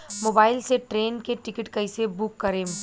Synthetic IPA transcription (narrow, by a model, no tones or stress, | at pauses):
moːbaːɪlseʈɾeːnkeʈɪkɪʈkɐɪsebʊkːɐɾeːm